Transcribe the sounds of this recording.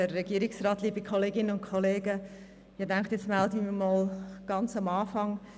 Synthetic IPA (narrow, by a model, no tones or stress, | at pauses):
ərːɛɡ̥iəɾɪksrɑːtliːbikʰoleːɡɪnənʊnkʰoleːɡə | ɪdɛŋktjɛt͡stmɛldəmiːmoːlɡ̥ɑnt͡sɑmɑːfɑŋ